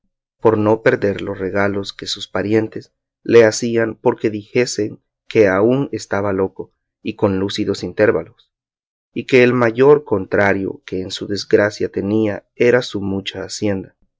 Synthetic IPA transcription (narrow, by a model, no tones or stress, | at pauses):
po̞ɾno̞pe̞ɾðe̞ɾlo̞sre̞ɣalo̞ske̞suspaɾje̞nt̪es | le̞asianpo̞ɾke̞ðixe̞se̞ŋ | ke̞aune̞st̪aβalo̞ko̞ | iko̞nlusiðo̞sint̪e̞ɾβa̰lo̞s | ike̞ːlmaʝo̞ɾko̞nt̪ɾaɾjo̞̰ke̞ːnsuðe̞zɡɾasjat̪e̞niae̞ɾasumut͡ʃaːsje̞nd̪a